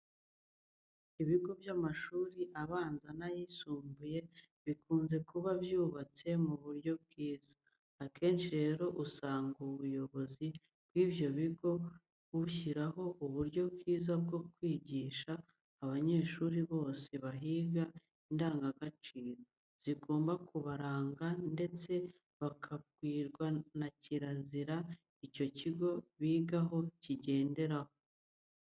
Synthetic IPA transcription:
iβiɡo̞bjamaʃuːɾiʔaβaːnzanajisuːmbuje̞ | βikʰuːnze̞kʰuβabjuːβat͡se̞muβuɾɟo̞b̚ɡiːz̥ḁː | kʰe̞ːnʃiɾe̞ːɾo̞ʔusaːŋɡuβujo̞βo̞zi | b̥wiːbjo̞βiɡo̞ | uçiɾaɦo̞ʔuβuɾɟo̞bɡiːzab̚ɡo̞kwiːɟiːʃaː | βaɲe̞ːʃuːɾiβo̞ːse̞βaɦiːɡa | indaːŋɡaɡat͡ʃiːɾo | z̥iɡo̞ːmbakuβaɾaːŋɡande̞t͡se̞ | βakʰaɡwiːɾɡwanaciɾaziɾa | ico̞ciɡo̞βiːɡaɦo̞ciɟe̞ːnde̞ɾaho

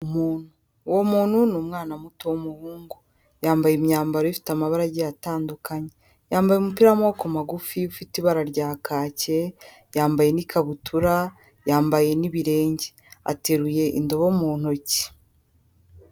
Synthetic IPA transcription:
umuːn̥hu | womuːn̥hunuːmŋaːnamutowomuhuːŋɡo | jaːmbajemɲaːmbaɾoifi̥tamaβaɾaɟijataːndukʰaɲe̞ | jaːmbajemupiɾamoːkomaɡufiufitiβaɾaɾɟaːkʰaːce | jaːmbaje̞nikʰaβutʰuɾa | jaːmbaje̞niβiɾe̞ːɲɟe | a̰te̞ɾuje̞ʔḭndo̞βomuːn̥oci̥

